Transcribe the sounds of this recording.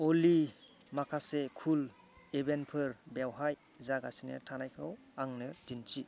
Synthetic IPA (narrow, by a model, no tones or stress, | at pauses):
oli | makʰasekʰul | ebenpʰɯɾbawɦaj | zaɡasinɯ̰tʰanajkʰɯw | aŋnɯdint͡ʃi